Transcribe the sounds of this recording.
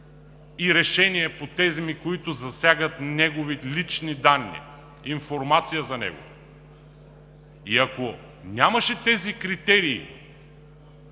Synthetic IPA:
iɾɛʃɛniɛpot̪ɛzmikoit̪ʊzɐsʲaɡət̪nɛɡovilit͡ʃnid̪anːḭ | infoɾmat̪sijəzɐnɛ̰ɡo̰ | iɐko | nʲamɐʃɛt̪ɛzikɾit̪ɛɾḭː

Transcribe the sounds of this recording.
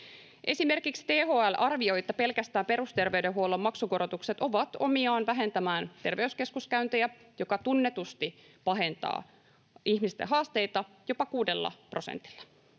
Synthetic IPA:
ʔe̞sime̞rkikst̪eːɦoːælʔɑrʋio̞jt̪ːɑpe̞lkæst̪æːmpe̞rust̪e̞rʋeydeɦuolːomːɑksuko̞ɾot̪ukset̪o̞ʋɑt̪o̞miɑːnʋæɦe̞nt̪æmæːnt̪e̞rʋe̞yske̞skuskæynt̪ejæ | jo̞kɑt̪unːe̞t̪ust̪i | pɑɦe̞nt̪ɑ̰ː | içmist̪ḛɦɑːst̪e̞jt̪ɑ | jo̞pɑkuːde̞lːɑ̰pro̞sḛnt̪i̥lːæ̥

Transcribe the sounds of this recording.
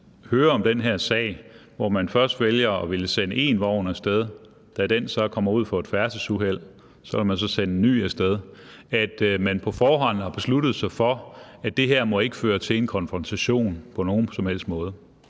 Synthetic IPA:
høːɐɒ̽md̥enɦeɐ̰sɛ̰ːɪ̰ʋɒmænfɶɐsd̥ʋeljɐɒ̽ʋe̝ləsenəe̝̰ːnʋɑʊnɐsd̥eð̞ˠ | d̥æd̥ensɒkʰɒ̽m̰ɐuð̞̰ˠfɒ̽e̝d̥fæɐsəsuɦel̰ | sɒ̽ʋelmæns̬ɒ̽senəny̰ːesd̥eð̞ˠæd̥mænpʰɒ̽fɒːɦɒ̽n̰̩hɑ̈b̥e̝slud̥ð̩ˠsɑ̈ɪfɒ̽æd̥e̝ɦeɐ̰mɒ̽e̝ɡ̥əføːɐt͡sʰe̝e̝nkʰɒ̽nfʁɒ̽nt͡sʰæɕo̝̰ːnpʰɒ̽no̝ːn̩sɒ̽mhel̰sd̥mɔ̽ːð̞ˠə

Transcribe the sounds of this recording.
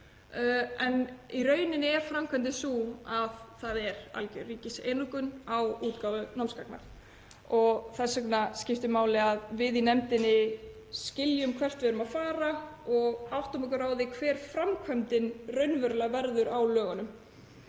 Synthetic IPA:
ɛniɾœːɥnɪnɛɾfɾamkʰvɛnt̪ɪsuaðθaðɛɾa̰cʏriːcɪsḛjnukʏnawuːt̪kawvʏnamskakna̰ɾ̥ | ɔɣθɛsɛknascɪft̪ɪmaːwlɪaðvɪðinɛmt̪ɪnɪ | scɪljʏmkʰvɛr̥t̪vɪɛɾʏmaðfaːɾaɔɣawht̪amɛkʏɾaːwðɪkʰvɛːɾ̥fɾamkʰvœmt̪ɪnrœɥnvœɾʏlaɣvɛɾðʏɾawlœːɣʏnʏm

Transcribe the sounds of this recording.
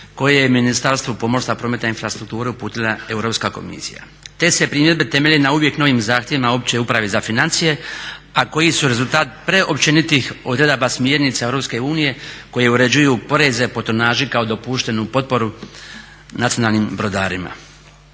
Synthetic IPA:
ko̞jejeminist̪aɾst̪ʋupo̞mo̞ɾsapɾo̞ːme̞t̪ainfɾast̪ɾuk̚t̪uːɾeupuːt̪ilˠae̞uwɾo̞pskako̞̰mḭsḭja̰ | t̪e̞se̞pɾiːmje̞d̪be̞t̪e̞meʎʲenauʋje̞kno̞ʋimzaːxt̪ʲjeʋimao̞p̚t͡ɕeupɾaʋezafinant̪sije̞ako̞jisuɾe̞zult̪aːt̪̚pɾe̞ʔopt͡ʃenit̪ixo̞d̪ɾe̞d̪abasmjeːɾnit̪sae̞wɾo̞pske̞uːnije̞ko̞jeuɾe̞d͡ʑujupo̞ɾe̞zepo̞t̪onaːʒikao̞d̪o̞puʃt̪e̞nupo̞t̪̚po̞ɾu | nat̪sionaːlˠnimbɾo̞d̪aːɾima̰

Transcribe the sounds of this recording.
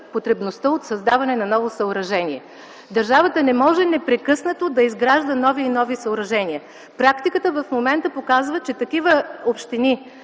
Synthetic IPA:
pot̪ɾɛbnost̪əot̪sɐzd̪avɐnɛnɐnɔvosɐoɾɐʒɛniɛ | d̪ɐɾʒavət̪ənɛmɔʒɛnɛpɾɛkɤsnət̪od̪ɐizɡɾaʒd̪ənɔviːnɔvisɐoɾɐʒɛniə | pɾakt̪ikət̪əvɐfmomɛnt̪əpokazvət͡ʃɛt̪ɐkivəopʃt̪ini

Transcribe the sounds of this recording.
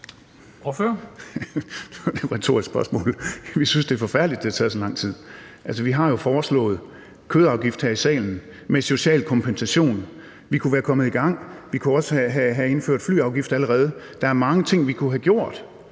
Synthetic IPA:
ɒfø | d̥eʁɛt͡sʰo̝ɐ̰isɡ̥sb̥ɶɐsmɔ̰̽ːlʋisynsd̥e̝ɐfɒ̽fæɐ̰d̥lid̥e̝hɑt͡sʰɛðˠsɒlɑ̈ŋ̰t͡sʰið̰ˠæls̬əʋiɦɑ̈jo̝fɒːslɔ̰̽ːð̞̩ˠ | kʰøːð̩ˠɑ̈ʊɡ̥ifd̥hæɐisɛ̰ːln̩ | meso̝ɕɛ̰ːlkʰɒ̽mpʰensæɕo̝̰ːn | ʋikʰuʋæːɐkʰɒ̽mð̩ˠiɡ̥ɑ̈ŋ̰ʋikʰuɒ̽səɦæɦæe̝nføɐ̰d̥fly̰ːɑ̈ʊɡ̥ifd̥æləʁɛːð̞ˠə | d̥ɑ̈æɐmɑ̈ŋət͡sʰe̝ŋ̰ʋikʰuɦæɡ̥jo̝ɐ̰d̥

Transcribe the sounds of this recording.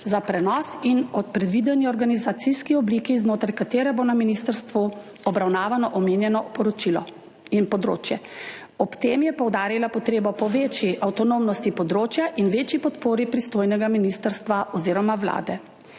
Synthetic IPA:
zapɾɛnɔːsinɔt̪̚pɾɛd̪ʋiːd̪ɛniɔɾɡanizat̪siskiɔbliːkiznoːt̪ɾajkat̪eːɾɛbonaminist̪əɾst̪ʋu | ɔbɾawnaːʋanɔʔɔmeːnjɛnɔpɔɾɔt͡ʃilɔ̰ | inpɔd̪ɾo̰ːt͡ʃjɛ | ɔpt̪eːmjɛpɔwd̪aːɾilapɔt̪ɾeːbɔpɔʋeːt͡ʃjiʔawt̪ɔnomnɔst̪ipɔd̪ɾoːt͡ʃjaʔinʋeːt͡ʃjipɔt̪poːɾipɾist̪oːjnɛɡaminist̪əɾst̪ʋaʔɔziːɾɔmawla̰ːd̪ɛ

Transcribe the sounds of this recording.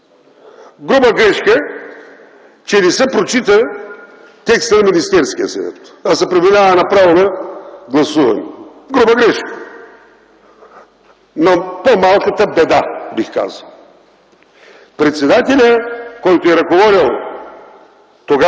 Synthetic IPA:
ɡɾubəɡɾɛʃkə | t͡ʃɛnɛsɛpɾot͡ʃit̪ə | t̪ɛkst̪ənɐminist̪ɛɾskiə̰sɐ̰vɛ̰t̪ɐsɛpɾɛminʲavənɐpɾavonɐɡlˠɐsuvɐ̰nɛ̰ | ɡɾubəɡɾɛʃkə̥ | nɐpomalˠkət̪əbɛd̪abixka̰zəlˠ | pɾɛt̪sɛd̪at̪ɛlʲəkɔjt̪oɛɾɐzɡovɔɾilˠ | t̪oɡa

